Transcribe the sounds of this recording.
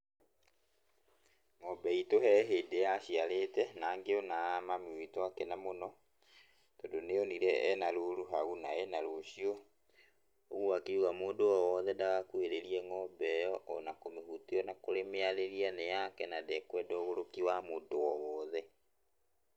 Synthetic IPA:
ŋɔbɛitoɦɛɦeːdejaɕialetɛnaːŋɡeɔnamameoitɔakɛnamonɔ | todoneɔniɾɛːnaɾuɾuɦaɣunaɛnaɾoɕiɔ | oɣuakeuɣamoːndowɔwɔðɛdaɣakweɾeɾiɛŋɔbɛjɔʔɔnakomehuteɔnakoɾemeaɾeɾianejakɛnadɛkwɛdɔɔɣoɾokiwamoːndoɔwɔːðɛ

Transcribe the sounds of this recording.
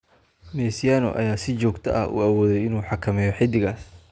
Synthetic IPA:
mɛːsɪjaːnɔ̰ʔɐ̰jaːsɪt͡ʃɔːɡt̪ʰɐ̰ʔɐ̰ʔṵːɐwɔːðɛjɪnuːħɑkʰɐmɛːjɔħɪd̪ɪɣaːs

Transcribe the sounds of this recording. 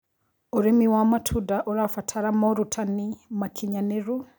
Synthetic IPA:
oɾimiwamatʰudaʔɔɾafatʰaɾamɔɾutʰanimakʰiɲaneɾu

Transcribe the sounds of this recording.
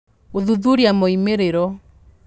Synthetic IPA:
oðuðuɾiamoimeɾeɾɔ

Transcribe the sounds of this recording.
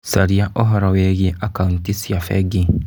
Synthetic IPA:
saɾiaʔɔɦɔɾaweɣieʔakauntisiafɛ̰ɡi

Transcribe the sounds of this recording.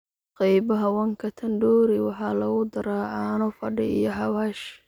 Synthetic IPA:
qɑjbɐɦɐwɐŋkʰɐt̪ʰɐnɖɔːɾɪwɑħɑːlɐɣʊd̪ɐɾaːʔaːnʊfɐɖɪ̰ijɔɦɑwaːʃ

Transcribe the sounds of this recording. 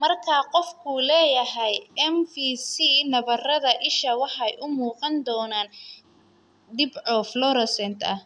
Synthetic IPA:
mɐrkʰaːqɔfkʰulɛːjɐɦɛjɛmfiːsinɐβɐrɐðɐʔɪʃɐwɑħɑjʔʊmuːqɑnd̪ɔːnaːn | d̪ɪbʕɔːflɔɾɔsɛnt̪ʰɐh

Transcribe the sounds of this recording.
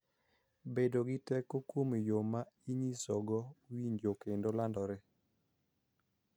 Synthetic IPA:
bedoɡɪtɛkokwomijomaiɲisɔɡɔwiɲd͡ʒokendolandɔɾe

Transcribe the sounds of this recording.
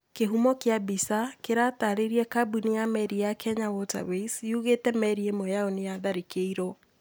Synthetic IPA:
keɦumɔkeabisakeɾataɾeɾiɛkabunijamɛɾijakʰɛɲawɔta̰βesuɣetɛmɛɾiemɔjaonijaðaɾekeiɾɔ

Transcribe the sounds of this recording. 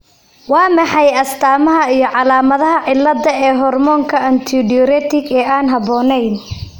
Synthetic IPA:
wɑːmɐħɑjɐst̪ʰaːmɐɦɐijɞʕɑlaːmɐðɐɦɐʕɪlːɐdɐɛːɦɔrmɔːŋkʰɐɐnt̪ʰiɖɪɔɾɛt̪ʰɪɡɛːaːnɦɐβɔːnɛjn

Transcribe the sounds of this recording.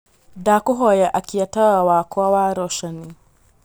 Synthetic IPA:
dakʊɦoːjɛʔakʲijatɐwawaːkʰʷoːwaːɾɔʃɐniː

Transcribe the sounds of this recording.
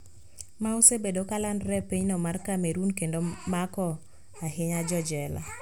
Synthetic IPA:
maosebedokalandɾɛpiɲnɔmarkameɾunkendomakɔ | aɦɪɲad͡ʒɔd͡ʒɛla̰

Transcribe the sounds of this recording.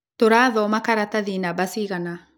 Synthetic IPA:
toɾaðɔmakaɾataðinabasiɣana

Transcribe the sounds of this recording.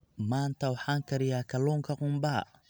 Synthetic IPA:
maːnt̪ʰɐwɑħaːŋkʰɐɾɪjaːkʰɐlɔːŋkʰɐqʊmbaː

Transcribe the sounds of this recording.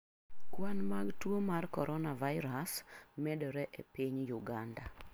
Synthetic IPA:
kwanmaɡtwomarkɔɾʔɔnavaɪɾasmɛdɔɾɛʔepiɲjuɡanda̰

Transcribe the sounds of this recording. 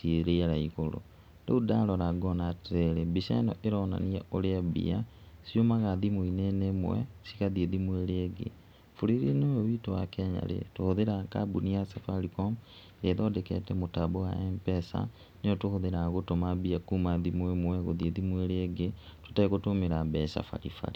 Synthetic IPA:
sieɾeaɾaikolo̰ | ndoudalɔɾaɡɔnatɛɾebisa̰nɔʔeɾɔna̰niaʔoleabḭa | siomaɣaðimwoinenemwɛ̰sikaðieðimweɾeːɡḛ | fuɾiɾinoeβitowakɛːɲa̰ɾḛtohoðeɾakabuniasafalikom | ɾeðodekɛ̰tɛmotabowa̰ɛmpɛsa̰ | neotohoðeɾaɣotomabiakuːmaðimwemwɛɣoðieðimweɾeɡetu̥taiɣotomeɾabɛsa̰fa̰lifa̰ɾi

